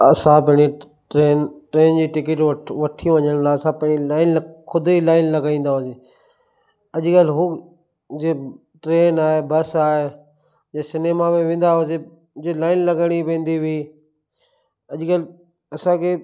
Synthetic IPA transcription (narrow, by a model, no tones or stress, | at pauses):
ɐsãpɐ̃ɦɪ̃e | ʈɾeːnʈɾeːnd͡ʑiːʈɪk̬ɪʈʋɐʈʰiʋɐɲəɽ̃laɐsãpɐ̃ɦɪ̃ilaːɪnkʰʊd̪ilaːɪnlɐɡaːĩːn̆d̪aɦʊzeː | ɐʄkalɦʊ | d͡ʑeː | ʈɾeːnaːɦebɐsaːɦe | jsɪnemamẽʋẽːn̆d̪aɦʊze | d͡ʑeːlaːɪnlɐɡəɽ̃iʋẽːnd̪iʋiː | ɐʄkalɪ | ɐsãkʰe